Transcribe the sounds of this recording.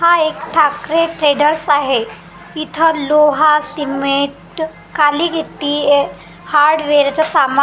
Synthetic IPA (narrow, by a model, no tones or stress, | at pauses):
haekʈʰakɾeʈɾeɽəɾsaɦe | it̪ʰəloɦasimeʈ | kaliɡʱet̪iː | haɾɖʋeɾt͡sasama